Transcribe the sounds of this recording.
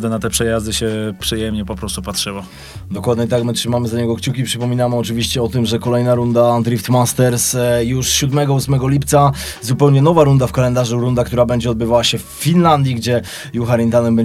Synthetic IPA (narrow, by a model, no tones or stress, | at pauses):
d̪ɛnat̪ɛpʂɛjazd̪ɘɕɛpʂɘjɛmɲɛpɔpɾɔst̪upatʂɘwa | d̪ɔkwad̪ɲɛit̪akmɘtʂɘmamɘzaɲɛɡɔkt͡ɕukʲipʂɘpɔmʲinamɘɔt͡ʂɘvʲiɕt͡ɕɛɔt̪ɘmʐɛkɔlɛjnaɾund̪and̪ɾift̪mast̪ɛɾsjuʂɕud̪mɛɡɔusmɛɡɔlʲipt̪sa | zupɛwɲɛnɔvaɾund̪afkalɛnd̪aʐuɾund̪ak̚t̪uɾabɛɲd͡ʑɛɔd̪̚bɘvawaɕɛfːʲinland̪ʲjiɡd͡ʑɛ | juxaɾint̪anɛmbɛɲ